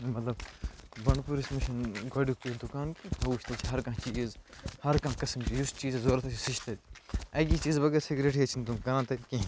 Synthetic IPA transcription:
mɐt̪lɐbbɐɳpuɾismiʃɐnɡʱɐɖuk̚t̪und̪ukaːnkĩpʰɐuːt͡ʃʰʲt̪ɐt͡ʃʰiɦɐɾkãːt͡ʃiːzhɐɾkãːkɐsɐmt͡ʃijust͡ʃiːzzoːɾɐt̪ʰɐt͡ʃʰisit͡ʃʰt̪ʰɐd̪ɐːɡit͡ʃiːzbɐɡeːɾsiɡɾeʈʰiɐt͡ʃʰind̪ukɐɾãːt̪ɐkĩ

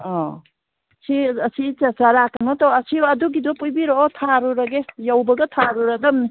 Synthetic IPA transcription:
ɔ | siɐsit͡ʃasaɾakanɔt̪ɔɐsiɐduɡid̪ɔpujbiɾɔːt̪ʰaɾuɾɐɡejawbɐɡɐt̪ʰaɾuɾad̪ɐmni

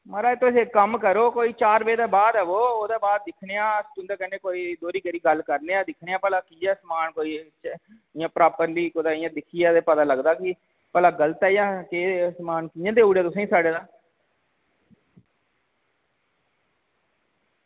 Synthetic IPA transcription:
məɾaːet̪ːõsekəmkəɾoːkoːiːt͡ʃaːɾbeːd̪eːbaːd̪ɛːʋoːoːd̪aːbaːd̪̚ːɪkʰneːãːst̪ʊ̃nd̪aːkɛnẽːkoːiːd̪oːɾiːkəɾiːɡəlkəɾneːaːd̪ɪkʰneːaːpɛːlaːkiːɛːsəmaːnkoːiː | ɪjãːpɾaːpəɾliːkoːd̪aːɪjãːd̪ɪkʰiːɛːd̪eːpət̪ãːləɡd̪aːkɪ | pɛːlaːɡələt̪ɛːɪjãːkesəmaːnkɪjãːd̪eːʊːɽeːt̪ʊsãːĩːsaːɽeːd̪aː

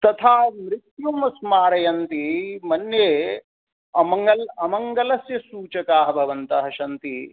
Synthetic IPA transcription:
t̪ɐt̪ʰaːmɾɪt̪jumɐsmaːɾɐjɐnt̪imɐnjeː | ɐmɐŋɡɐlɐmɐŋɡɐlɐsjɐsuːt͡ʃɐkaːɦɐbʱɐʋɐnt̪ɐɦɐʃɐnt̪i

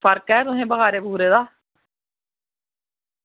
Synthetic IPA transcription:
pəɾkɛːt̪ʊɦẽːbəɦaːɾeːbuːɾeːd̪aː

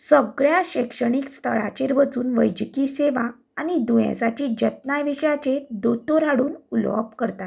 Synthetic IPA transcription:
səɡɭjaɕekʂəɳ̃iːkst̪ʰəɭa̰t͡ɕeɾʋət͡suːnʋəjd͡ʑkiseʋa | anid̪ujḛ̃sat͡ɕid͡ʑət̪̚najʋiɕjat͡ɕed̪ot̪oɾaɽuːnulʋə̰pkəɾt̪at̪

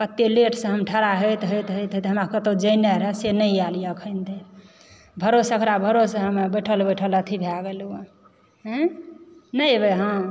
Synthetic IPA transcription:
pət̪ːileʈʰsə̃ɦəmʈʰəɾaɦojt̪ɦojt̪ɦojt̪ɦt̪ɦəmɾakət̪od͡ʒəjneɾɦɛsenəɪalijəkʰəɪnt̪ʰe | bʱəɾosəkʰɾabʱəɾosɦəmbəʈʰəlbəjʈʰələt̪ʰibʱjaɡelu | ɦ | nəjbeɦã

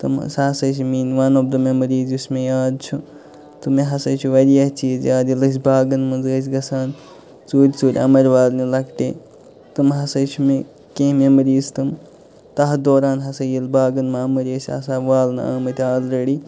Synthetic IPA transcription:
t̪ɨ̰m̰saːsɐs̬imiːnʋɐːnobd̪ɨmemɐɾiːzusʲmejaːd̪̚t͡ʃʰu | t̪umeɦɐsɐt͡ʃʰuʋɐɾijɐt͡ʃiːzjaːd̪ilɐs̬ʲbaːɡɐnmɨnzɐs̬ʲɡɐsaːn | t͡suːɾʲt͡suːɾʲɐ̰mɐɾʲʋaːlnilɐkʈḛː | t̪ɨmɦɐsɐt͡ʃʰume | kẽːmemɐɾiːzt̪ɨm | t̪ɐɦd̪oːɾaːnɦɐsɐjilbaːɡɐnmɐɐmɐɾʲɐsʲɐ̰saːʋaːlnɨa̰ːmɐt̪ʲaːlɾɐɽi

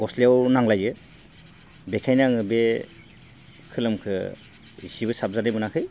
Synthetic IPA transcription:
ɡɔslijawnaŋlajɯ | bekʰajnaŋɯbe | kʰɯlɯmkʰɯ | zibɯsap̚zanɯjbɯnakʰɯj

